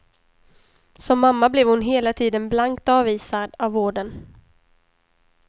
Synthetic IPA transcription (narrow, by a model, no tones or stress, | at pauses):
sɔmːamːablɛvhʊnɦeːlat̪ʰiːd̪ənblaŋk̚t̪ɑːviːsad̪avːoːɖən